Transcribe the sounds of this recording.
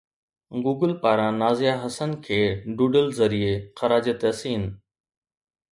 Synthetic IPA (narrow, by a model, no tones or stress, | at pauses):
ɡuːɡəlpaːɾãnaːzɪjaɦɐsənkʰeːɖuːɖəlzɐɾiexɐɾaːd͡ʑet̪eɐsĩːɦɪnɪ̆